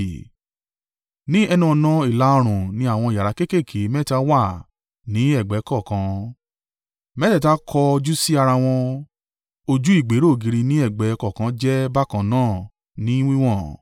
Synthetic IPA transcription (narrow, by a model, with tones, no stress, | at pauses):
nĩ˦ɛ˧nũ˦ɔ˧nã˦i˦˨la˨˦o˧ɾ̃ũ˨nĩ˨˦a˦˨w̃ɔ̃˧i˨ja˨ɾa˨˦ke˦ke˦˨kʰe˨˦mɛ˦˨ta˧wa˦˨ | nĩ˨˦ɛ˦˨ɡ͡bɛ˨˦kɔ˦˨kã˧˦ | mɛ˦tɛ˦˨ta˦kʰɔ˧d͡ʒu˦si˦a˧ɾa˧w̃ɔ̃˧ | o˧d͡ʒu˦i˦˨ɡ͡be˨˦ɾo˦˨ɡi˧ɾi˧nĩ˦ɛ˦˨ɡ͡bɛ˨˦kɔ˦˨kã˧˦d͡ʒɛ˦ba˦kã˧nãː˦˨ | nĩ˦w̃ĩ˦w̃ɔ̃˦˨